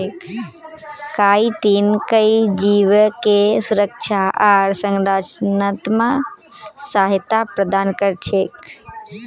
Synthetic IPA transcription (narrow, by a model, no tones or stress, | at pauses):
kaːiʈiːnkəid͡ʒiʋkesʊɾəkʃʰaʔaɾsə̃ŋɾaːt͡ʃnət̪mə | saɦt̪apɾəd̪aːnkəɾt͡ʃʰeːk